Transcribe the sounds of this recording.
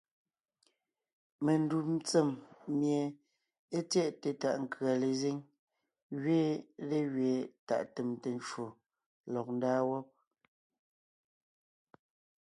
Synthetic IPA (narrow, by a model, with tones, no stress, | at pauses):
me˨n˦du˨m˦t͡se˨mmje˨ | e˦tjɛ˦ʔte˨ta̰˨ʔŋ˨kɰa˨le˨ze˦ŋ | ɣɥeː˦le˦ɣɥe˨ta̰˨ʔte˨mte˨n˦t͡ʃwo˨ | lɔ˨k̚n̩˦daː˦wɔ˦p̚